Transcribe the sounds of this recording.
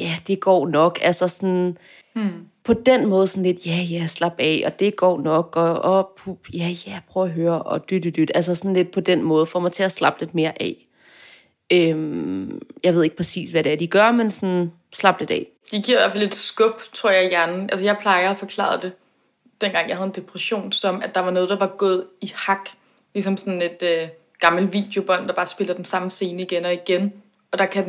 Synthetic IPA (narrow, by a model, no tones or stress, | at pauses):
jæd̥e̝ɡ̥ɒ̰ːnɒ̽ɡ̥ælsɐsɔn | pʰɒ̽d̥enmɔ̽ːð̞̩ˠsɒ̽n̩le̝d̥jæjæslɑ̈b̥ɛɒ̽d̥e̝ɡ̥ɒ̰ːnɒ̽ɡ̥ɒ̽ɒpʰub̥jæjæjpʰʁœʊæɦøːɐʔɒ̽d̥yd̥yd̥yd̥æls̬ɐsɔn̩le̝d̥pʰɒ̽d̥enmɔ̽ːð̞̩ˠfɒmɑ̈ɪt͡sʰe̝æslɑ̈b̥le̝d̥̚me̝ːɐʔɛ̰ | øm | jɑɪʋe̝ðˠeɡ̥̚pʰʁɛsḭːsʋæɾ̥eæɐd̥iɡ̥ɶɐmensɔn | slɑ̈b̥̚d̥e̝d̥ɛ̰ | d̥iɡ̥iɐ̰ʋæfle̝d̥sɡ̥ɔ̽b̥t͡sʰʁo̝ɐ̰jɑɪjæɐnn̩ʔælsəjɑ̈ɪpʰlɑ̈ɪɐæfɒ̽kʰl̥ɑ̰̈ð̩ˠd̥e̝ | d̥en̰ɡ̥ɑ̈ŋ̰jɑ̈hæð̞̩ˠende̝pʰʁɛɕo̝̰ːnsɒ̽mæd̥ɑ̈ʋɑ̈nɔːð̞̩ˠd̥ɑ̈ʋɑ̈ɡ̥ɔ̰ːð̞ˠihɑ̈ɡ̥ | lisɒ̽msɒ̽ne̝d̥ø | ɡ̥ɑ̈ml̩ʋḭːd̥jo̝b̥ɒ̽n̰d̥ɑ̈b̥ɑ̈ːsb̥e̝lɐd̥ensɑ̈m̩se̝ːnəiɡ̥enɒ̽iɡ̥en | ɒ̽d̥ɑ̈kʰæ